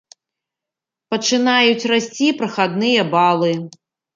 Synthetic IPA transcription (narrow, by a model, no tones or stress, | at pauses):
pɐt͡ʂɨnajut͡sʲrasʲt͡sʲipɾɐxad̪nɨjɐbalˠɨ